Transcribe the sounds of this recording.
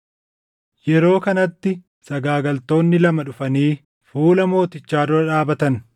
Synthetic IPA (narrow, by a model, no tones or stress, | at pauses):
jɛɾo̞ːkɐnɐt̪ːɪ | sɐɡaːɡɐlt̪o̞ːnːɪlɐmɐᶑʊfɐniː | fuːlɐmo̞ːt̪ɪt͡ʃːaːd̪ʊɾɐᶑaːbɐt̪ɐn